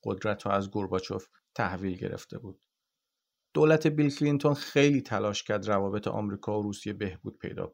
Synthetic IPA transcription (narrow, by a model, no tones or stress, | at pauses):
ɢo̞̰d̪ɾæt̪ʰɾɔæzɡoɾbɒt͡ʃʰof | t̪ʰæhviːlɟḛɾḛft̪ʰe̞̰buːd̪̥̚ | d̪̥oːlæt̪ʰe̞bilcʰlint̪ʰo̞nxe̞jliːt̪ʰælɒːʃcʰæɾd̪rævɒːbe̞t̪ʰḛʔɒ̰ːmɾiːkʰɒːoɾuːsije̞be̞hb̥uːd̪̚pʰe̞̰jd̪ɒ̰ː